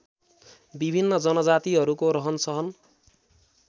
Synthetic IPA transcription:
bibʱinːʌd͡zʌnʌd͡zat̪iɦʌɾukoɾʌɦʌnsʌɦʌn

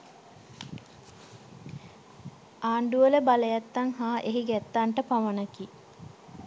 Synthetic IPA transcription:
aːɳɖuʋələbaləjat̪ːaŋɦaːʔeɦiɡɛt̪ːaːɳʈəpaʋənaki

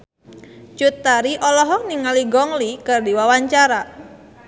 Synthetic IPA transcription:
t͡ʃut̪aɾiʔɔlɔɦɔk̚niŋaliɡɔŋlikɨrdiwawaɲt͡ʃaɾa

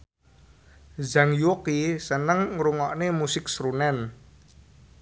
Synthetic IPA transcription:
zaŋjokisənəŋɾuŋɔʔnemusɪk̚sɾunɛn

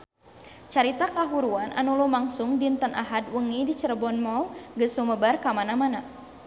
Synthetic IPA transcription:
t͡ʃaɾit̪akaɦuɾuanʔa̰nulumaŋsʊŋdint̪ənʔa̰ɦadwəŋidit͡ʃəɾəbɔnmɔuɡəsuməbarkamanamana

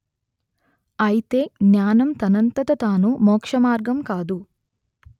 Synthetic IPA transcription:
ɐjit̪eːɡjaːnɐmt̪ɐnɐnt̪ɐt̪ɐt̪aːnumoːkʂɐmaːɾɡɐmkaːd̪u

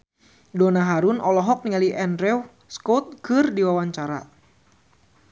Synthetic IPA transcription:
dɔnaɦaɾunʔɔlɔɦɔk̚niŋaliʔɛndɾɛw | skɔt̪̚kɨrdiwawaɲt͡ʃaɾa̰

